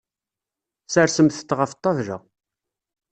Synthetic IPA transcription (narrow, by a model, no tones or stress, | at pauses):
səɾsəmθə̥t̪ːʁəft̪ˤːɑvʒæ̰